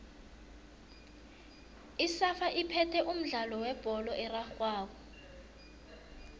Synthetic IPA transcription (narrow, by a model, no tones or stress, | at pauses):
isafaʔipʰɛtʰɛʔum̩ɮalɔwɛb̥ʱɔlɔʔɛraxwaːɓɔ